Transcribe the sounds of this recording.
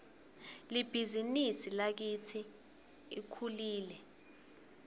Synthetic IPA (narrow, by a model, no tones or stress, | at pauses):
lib̥ʱizinisilak̬itʰi | ikʰuliːlɛ